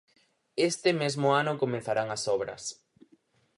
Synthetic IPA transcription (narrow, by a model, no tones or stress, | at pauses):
est̪ɪmezmʊanʊkomẽnθaɾaŋɐsɔβɾɐ̰s